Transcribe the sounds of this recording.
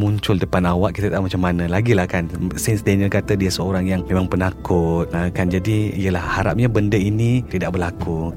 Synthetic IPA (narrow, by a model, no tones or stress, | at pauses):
muɲt͡ʃʊldəpanawaʔkit̪at̪amat͡ʃamːanãlaɡilahkansɪnsdenəlkat̪ədiasəoɾaŋjaŋmẽmaŋpənakʰʊt̪̚əkand͡ʒadiijəlahhaɾap̚ɲabəndəinit̪idaʔbərlaku